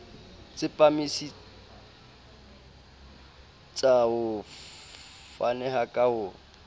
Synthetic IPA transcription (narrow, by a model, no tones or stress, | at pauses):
t͡sʼɪpʼamisi | t͡sʼaʊ | fanɛɦakʼahʊ